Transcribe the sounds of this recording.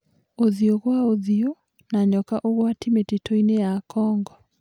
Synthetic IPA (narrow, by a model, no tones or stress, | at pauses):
oðioɣwaoðio | naɲɔkaʔoɣwatimetetʰoinejakɔŋɡɔ